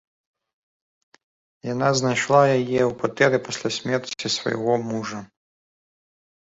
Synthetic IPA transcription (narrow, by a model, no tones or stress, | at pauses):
janaznajʂlˠajajɛwkat̪ɛɾɨpɐsʲlʲasʲmʲɛrt͡sʲisvɐ̰ja̰ɣɔmuʐɐ